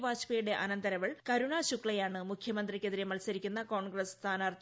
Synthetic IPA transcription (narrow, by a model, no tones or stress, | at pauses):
ʋaːɕpeːjɽe̞ʔɐnɐnd̪ɐɾɐʋiɭkɐɾuɳaːɕukɭɐjaːɳɨmukʰjɐmɐnd̪rikʲːeðiɾemɐlsɐɾikʲːunːɐko̞ːɳɡrɐst̪ʰaːnaːrt̪ʰː